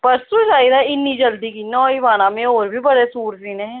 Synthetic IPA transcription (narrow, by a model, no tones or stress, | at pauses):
pəɾsusaːid̪aɪnːiːd͡ʒəld̪iːkiːnɔːiʋaːnãːmẽoːɾbʱiːbəɽesuːɾiːnẽː